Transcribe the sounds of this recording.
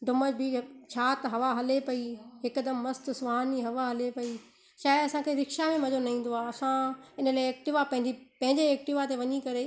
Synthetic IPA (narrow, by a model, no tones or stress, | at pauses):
ɖʊməd͡ʑbʱit͡ɕʰaːt̪ɦɐʋaɦɐlepɐiɦɪkəd̪əmːɐst̪sʊʋaːniɦɐʋaɦɐlepɐi | ʃaːjd̪ɐsãkʰeɾɪkʃamẽmɐd͡ʑonɐĩːn̆d̪oaːɐsãɪnəlaːeeːk̚ʈɪʋapɐ̃ɦɪ̃ɲd͡ʑipɐ̃ɦɪ̃ɲd͡ʑeeːk̚ʈɪʋat̪eʋɐɲikɐɾe